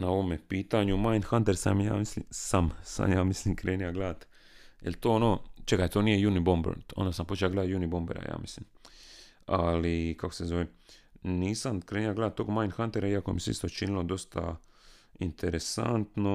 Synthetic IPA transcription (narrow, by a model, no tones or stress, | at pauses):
nao̞ʋomepiːt̪aɲumajnd̪xant̪eɾsa̰mja̰ːmislḭmsamsa̰mjaːmislimkɾe̞ːnijaɡlaːt̪ | jelt̪oːonoːt͡ʃekajt̪oːniːje̞junibombḛɾnt̪o̞̰nd̪asampot͡ʃeaɡled̪ajunibo̞mbeɾa̰ja̰ːmislim | alikakose̞zo̞ʋeniːsamkɾeːniaɡled̪at̪ːo̞ːɡmajnd̪xant̪eɾaiakomiseḭst̪o̞t͡ʃinilo̞d̪o̞st̪ʰa̰ | int̪ʰeɾesa̰nt̪no